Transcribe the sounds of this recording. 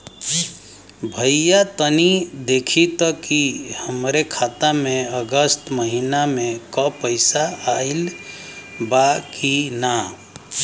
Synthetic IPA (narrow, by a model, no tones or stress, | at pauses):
bʱəjjat̪ənid̪ekʰit̪əkihəmɾekʰat̪ameəɡəst̪məɦinamẽkɔpəɪsaail | bakina